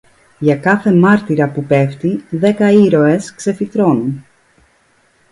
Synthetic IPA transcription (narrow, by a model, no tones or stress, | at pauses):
ʝɐkɐθe̞mɐɾt̪iɾɐpupe̞ft̪iðe̞kɐiɾo̞e̞skse̞fit̪ɾo̞nun